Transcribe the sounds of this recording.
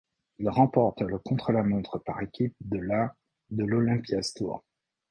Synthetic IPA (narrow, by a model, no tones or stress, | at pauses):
ilʁɑ̃pɔʁt̪ləkɔ̃t̪χəlamɔ̃t̪χəpaʁekʲip̚d̪əla | d̪əlɔlɛ̃pjast̪wa̰